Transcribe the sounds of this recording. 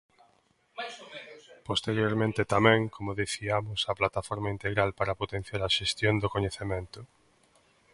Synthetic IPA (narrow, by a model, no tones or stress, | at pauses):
post̪eɾjoɾmẽnt̪et̪amɛ̃ŋkʰomoðeθiamʊsaplat̪afɔɾmaint̪eɣɾalpaɾapot̪en̟θjaɾaʃest̪jond̪okoɲeθemẽnt̪ʊ